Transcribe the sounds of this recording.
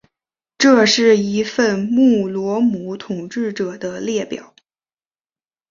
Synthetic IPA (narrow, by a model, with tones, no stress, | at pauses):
ʈ͡ʂɤ˥˧ʂɻ̩˥˩i˧˥fə˥˧nmu˥˩lwɔ˧˥mu˧˥t̪ʰʊ˨˩ŋʈ͡ʂɻ̩˥˩ʈ͡ʂɤ˨˩d̪ə˦ljɛ˥˩pjɑ̰˨˩˦ʊ